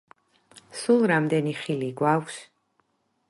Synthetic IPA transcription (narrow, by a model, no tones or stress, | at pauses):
sulˠɾamd̪ɛniχiliɡwakʰs